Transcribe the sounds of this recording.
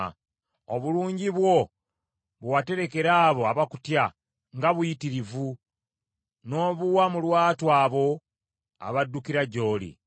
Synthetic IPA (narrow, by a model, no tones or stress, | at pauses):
oβuluːɲɟiβwo̞ | βuwate̞ɾe̞ke̞ɾaːβo̞aβaku̥tja | ŋɡaβujitiɾivu | no̞ːβuwamulwaːtwaːβo̞ | a̰βadːukiɾaɟo̞ːlḭ